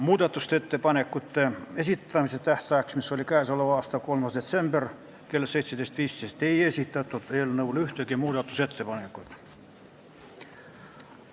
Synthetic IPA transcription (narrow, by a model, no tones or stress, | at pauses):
muːt̪ɑt̪ːust̪et̪ːepɑnekːut̪ːeesit̪ːæmiset̪æht̪æːksmisːolʲikæːsoloʋɑɑst̪ɑkolmɑsd̪et̪semb̥er | kelːseit̪sʲmt̪eist̪ʋiːst̪eist̪eiesit̪ːæt̪ːot̪eolneulyht̪økemuːt̪ɑt̪ːuset̪ːepɑnekːut̪